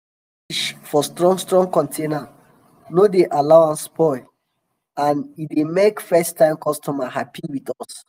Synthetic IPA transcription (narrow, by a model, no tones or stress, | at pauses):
iʃfɔstɹɔ̃ŋstɹɔ̃ŋkɔ̃ntʰena | nodeʔalaʊãnspʰɔɪ | ãnidemekfɛstːãɪ̃mkʰɔstʰɔmahapʰiwitɔs